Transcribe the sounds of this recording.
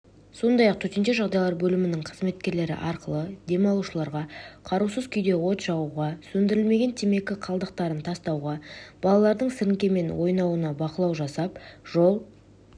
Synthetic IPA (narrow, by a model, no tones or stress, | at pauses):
so̞nd̪ɑjɑqt̪ʰɵt̪e̞nʃe̞ʒɑʁd̪ɑjlˠɑɾbɵlɪmɪnɪɴqʰəzme̞t̪kʲe̞ɾle̞ɾɪ̰ʔɑɾqəlˠəd̪e̞mɑlˠuʃəlˠɑɾʁɑqʰɑɾuwsəzkʲʰʏjd̪e̞wo̞t̪ʒɑwuʁɑsɵnd̪ɪɾɪlme̞ɡʲe̞nt̪ʰeme̞kʲɪqʰɑlˠd̪əq̚t̪ɑɾənt̪ʰɑst̪ɑwʁɑb̥ɑlˠɑlˠɑɾd̪əɴsɪɾɪŋkʲe̞me̞nwo̞jnɑwənɑbɑqəlˠɑwʒɑsɑpʒ̥o̞lˠ